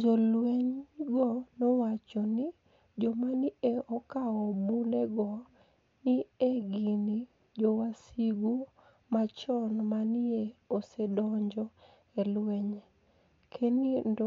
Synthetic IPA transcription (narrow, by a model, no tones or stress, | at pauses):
d͡ʒɔlwɛɲɡɔnɔwat͡ʃɔni | d͡ʒɔmanieɔkaɔbunɛɡɔ | nieɡini | d͡ʒɔwasiɡu | mat͡ʃɔnmanieosedɔɲd͡ʒɔ | elwɛɲe | kʰenindɔ